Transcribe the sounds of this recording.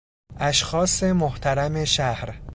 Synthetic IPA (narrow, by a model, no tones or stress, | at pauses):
ʔæʃxɒːse̞moht̪ʰæɾæme̞ʃæhɾ